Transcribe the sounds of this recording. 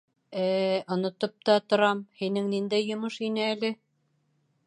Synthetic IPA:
æːŏnŏt̪op̚t̪ɑt̪ŏɾɑmhinɘŋnind̪æjːŏmoʃinɘælɘ

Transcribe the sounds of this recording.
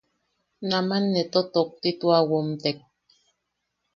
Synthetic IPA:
namanːet̪ot̪ok̚t̪it̪uawomt̪ek̚

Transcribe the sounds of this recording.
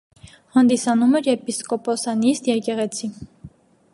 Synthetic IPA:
hɑnd̪isɑnumɛɾɛpiskɔpɔsɑnist̪jɛkɛʁɛt͡sʰi

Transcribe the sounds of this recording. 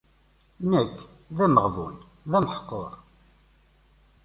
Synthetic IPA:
nækː | ðæməʁðˤʊ̰n | ðænħqːoɾˤ

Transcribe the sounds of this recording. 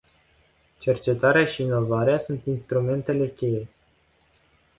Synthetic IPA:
t͡ʃe̞rt͡ʃe̞t̪aɾeaʃiːno̞vaɾeasunt̪inst̪ɾume̞nt̪e̞le̞kʲe̞je̞

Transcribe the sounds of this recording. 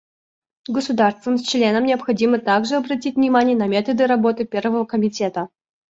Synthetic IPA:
ɡəsʊd̪arst̪vəmsʲt͡ɕlʲe̞nəmnʲɪɐpxɐdʲimət̪aɡʐɨɐbɾɐtʲitʲvnʲɪmanʲɪjənɐmʲe̞t̪əd̪ɨɾɐbo̞t̪ɨpʲe̞rvəvəkəmʲɪtʲe̞t̪ə

